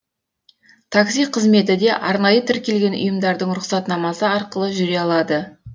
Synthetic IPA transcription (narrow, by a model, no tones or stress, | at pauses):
t̪ʰaksijqʰəzme̞t̪ɪd̪e̞ʔɑɾnɑjət̪ʰɪɾkʲe̞lɡʲe̞nʊ̰jəmd̪ɑɾd̪əɴɾʊqsɑt̪nɑmɑsəɑɾqəlˠəʒʏɾejɑlˠɑd̪ə